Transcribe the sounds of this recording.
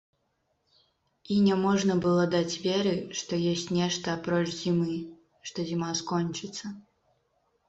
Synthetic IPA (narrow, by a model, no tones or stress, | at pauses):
inʲɛmɔʐnɐbɨlˠɔd̪at͡sʲvʲɛɾɨʂt̪ɔjɔsʲt͡sʲnʲɛʂt̪ɐːpɾɔt͡ʂzʲimɨ | ʂt̪ɔzʲimaskɔnʲt͡ʃɨt̪sɐ